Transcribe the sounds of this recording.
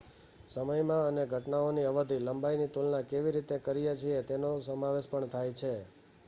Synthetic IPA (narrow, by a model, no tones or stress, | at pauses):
səməjmãəneɡʱəʈnaoniəʋəd̪ʱiləmbajnit̪ulnãkeʋiɾit̪ekəɾijat͡ʃʰiet̪enosəmaʋeʃpəɳt̪ʰajt͡ʃʰe